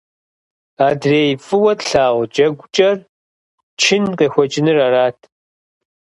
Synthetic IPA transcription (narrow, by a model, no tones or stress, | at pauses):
aːdreːjfʼɨwɐtɬaːʁʷd͡ʒʼɐɡʷt͡ʃʼɐr | t͡ʃʰɪnqexʷɔt͡ʃʼɪnɨraraːtʰ